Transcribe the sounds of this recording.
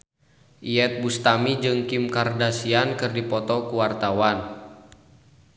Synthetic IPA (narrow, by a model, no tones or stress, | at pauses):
ʔiɛt̪̚bust̪amid͡ʒɨŋkimkardasiankɨrdipɔt̪ɔkuwart̪awan